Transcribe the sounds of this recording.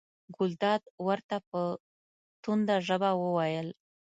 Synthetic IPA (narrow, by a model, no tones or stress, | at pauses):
ɡʊld̪ɑd̪wəɾt̪apə | t̪und̪aʒəbawəwɑjəl